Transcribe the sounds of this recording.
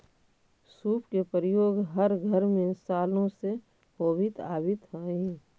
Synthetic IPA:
suːpkepəɾəjoːɡɦəɾɡʱəɾmẽsaːlõse | ɦoːbɪt̪aːbɪt̪ɦɛ̃i

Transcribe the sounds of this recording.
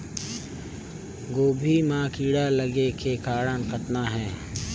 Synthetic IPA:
ɡoːbʱiːmãːkiːɽaləɡekʰeːkaːɽãːnkʰət̪naːɦɛ̃ː

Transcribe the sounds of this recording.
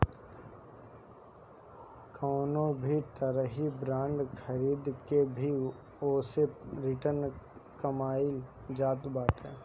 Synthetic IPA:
kʰɔːnõbʱit̪əɾəɦibɾãːɳɖxʰəɾiːd̪kebʱi | oːseɾɪʈəɾnkɐmaːil | d͡ʒaːt̪baːʈɛː

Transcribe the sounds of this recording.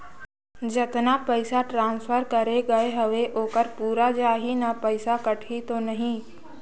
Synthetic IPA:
d͡ʒɐt̪napəɪsaʈɾãːnspʰəɾkɐɾeɡɐeɦɐʋeʔoːkəɾpuːɾad͡ʒaːɦinapəɪsakɐʈʰit̪onɐɦĩ

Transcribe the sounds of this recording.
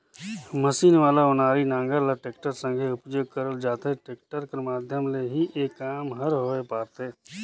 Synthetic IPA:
məsiːnʋaːlaʊnaːɾinãːŋɡəɾlaʈeːkʈəɾsə̃ŋɡʱeʊpjoːɡ̚kəɾəld͡ʒaːt̪eʈeːkʈəɾkemaːd̪ʱjəmleɦiʔeːkːaːmɦəɾɦoːepaːɾt̪eː

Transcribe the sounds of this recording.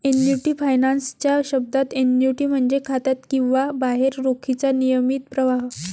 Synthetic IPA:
enjuʈiːfajnanst͡ɕjaɕəb̚d̪at̪enjuʈiːm̤əɳd͡zekʰat̪at̪kĩw̃ʋabaɦeɾɾokʰit͡sanijəmit̪̚pɾəʋaɦ

